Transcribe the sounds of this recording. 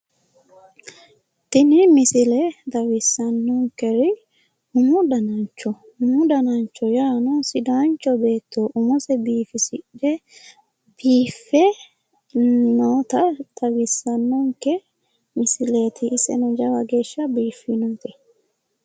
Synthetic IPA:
t̪ɪnɪmɪsɪlɛd̪ɐwɪsːɐnːɔŋkɛɾɪ | hmʊd̪ɐnɐnt͡ʃːɔ | hʊmʊd̪ɐnɐnt͡ʃːɔjaːnɔsɪd̪aːnt͡ʃːɔbe̞ːt̪ːoːʔʊmɔsɛbiːfɪsɪᶑɛ | b̥iːfːɛ | noːt̪ɐd̪̥ɐwɪsːɐnːɔŋkɛ | mɪsɪleːt̪ɪːsɛ̰nɔd͡ʒɐwɐɡe̞ːʃːɐbiːfːɪnɔt̪ɪ

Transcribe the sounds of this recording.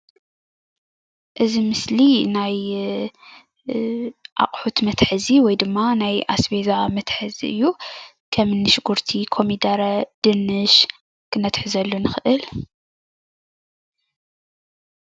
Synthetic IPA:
ʔɨzimɨslinaj | ʔa̰qʼħut̪mɐt̪ħɨziwɔjd̪ɨmːanajasbezamɐt̪ħɨzɨ̰jːu | kʰɐmɨnːɨʃɡuɾt̪ʰikʰo̞mid̪aɾɐd̪̥ɨnɨʃ | kʰɨnɐt̪ħɨzɐlːonɨxɨʔɨl

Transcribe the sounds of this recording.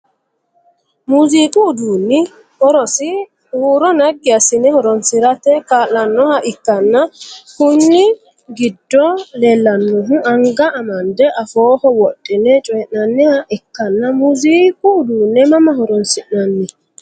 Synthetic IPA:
muziːkʼuːd̪uːnːɪ | hɔɾɔsɪ | uːɾɔnɐɡːɪɐsɪnɛhɔɾɔnsɪɾɐt̪ɛkaːlːɐnːɔhɐʔɪkːɐnːɐhʊnːɪ | ɡɪd̪ːɔlelːɐnːɔɦʊɐŋɡɐːmɐnd̪ɛʔɐfoːhɔwɔɗːɪnɛt͡ʃʼɔjɛʔnɐnːɛhɐʔɪkːɐnːɐmuziːkʼuːd̪uːnːɛmɐmɐɦɔɾɔnsɪʔnɐnːɪ

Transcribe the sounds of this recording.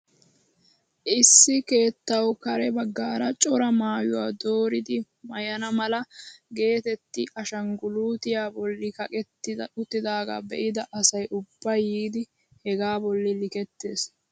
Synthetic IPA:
ʔɪsːɪke̞ːt̪ːɐwkɐɾɛbɐɡːaːɾɐt͡ʃʼɔɾɐmaːjʊwaːd̪o̞ːɾɪd̪ɪ | mɐjɐnɐmɐlɐɡe̞ːt̪ɛt̪ːɪʔɐʃɐŋɡʊluːt̪ɪjaːbɔlːɪkɐkʼɛt̪ːɪʊt̪ːɪd̪aːɡa̰ːbɛ̰ʔɪd̪ɐʔɐsɐjʔʊbːɐjːiːd̪ɪ | hɛɡaːbɔlːɪlɪkɛt̪ːeːs

